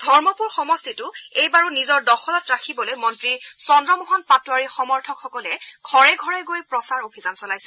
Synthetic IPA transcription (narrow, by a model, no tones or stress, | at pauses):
dʱɔɹmɔpuɹxɔmɔstitʊejbaɹunizɔɹdɔxʰɔlɔtɹakʰibɔlojmɔntɹisɔndɹɔmɔɦɔnpatwaɹixɔmɔɹtʰɔkxɔkɔlɛɡʱɔɹɛɡʱɔɹɛɡojpɹɔsaɹobʱizansɔlajsɛ